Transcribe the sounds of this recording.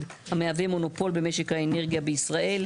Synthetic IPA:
d | hameavemo̞no̞po̞lbe̞me̞ʃe̞khaene̞ʁɡijabeisʁaʔe̞l

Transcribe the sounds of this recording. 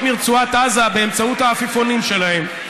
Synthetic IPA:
miʁt͡suat̪azabe̞emt͡sautaːfifo̞nimʃe̞lae̞m

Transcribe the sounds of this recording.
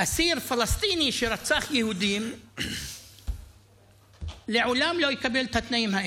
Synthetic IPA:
ʔasiɾfalast̪iːniʃeɾat͡saχjehud̪im | leʕolamlojekabelt̪at̪naʔimha

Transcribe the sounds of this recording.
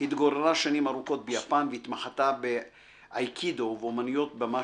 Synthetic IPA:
hit̪ɡo̞ɾeʁaʃanimaɾuko̞t̪̚bejapanveit̪maχat̪abe | ajkʰid̪oveomanijo̞t̪̚bama

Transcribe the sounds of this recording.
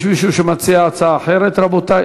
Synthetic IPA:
ʃmiʃuʃemat͡siaːt͡saːħeɾet̪ɾabot̪a

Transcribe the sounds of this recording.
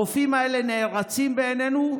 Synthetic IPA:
ofimaele̞neːʁat͡simbeːne̞nu

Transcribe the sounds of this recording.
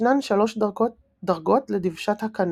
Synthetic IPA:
nanʃalo̞ʃdao | daʁɡo̞tledivʃathakan

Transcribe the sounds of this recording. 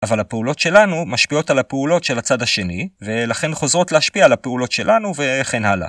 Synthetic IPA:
ʔavalhapeulo̞tʃe̞lanumaʃpio̞talapeulo̞tʃe̞lat͡sad̪haʃe̞nive̞laχe̞nχo̞zʁo̞tleaʃpiaːlapeulo̞tʃe̞lʔanuve̞χe̞nhala̰

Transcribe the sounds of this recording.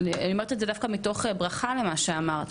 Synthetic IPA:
lianiomaʁt̪iedzedafkamito̞χebʁaχale̞maʃeamaʁt̪

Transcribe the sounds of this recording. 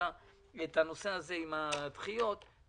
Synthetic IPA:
a | et̪ano̞se̞aze̞imat̪χijo̞t̪

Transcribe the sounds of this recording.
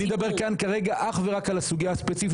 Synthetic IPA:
ed̪abe̞ʁkankaʁe̞ɡaʔaχveʁakalasuɡijaaspet͡sif

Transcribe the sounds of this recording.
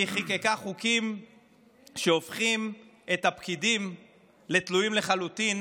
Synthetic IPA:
iχikekaχukim | ʃeofχim | e̞t̪apkidim | le̞t̪lujimle̞χalut̪in

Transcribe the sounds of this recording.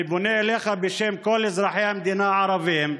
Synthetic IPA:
bʊneleːxabeʃemkolɪzɾˤɑħeamd̪iːnaʕɑɾˤɑvim

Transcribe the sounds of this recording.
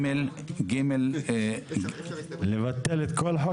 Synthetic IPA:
el | ɡimel | ɡlevat̪ːelet̪kʰolħo

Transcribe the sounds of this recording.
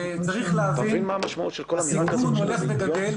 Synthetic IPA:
t͡saʁiχleavt̪ivinmaːmaʃmaʔṵt̪ʃelkolamiauznoleχleɡadel

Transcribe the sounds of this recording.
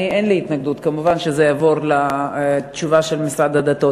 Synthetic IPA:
ienliit̪naɡd̪ut̪kamuvanʃezejavoʁla | t͡ʃuvaʃelmisʁad̪adat̪o

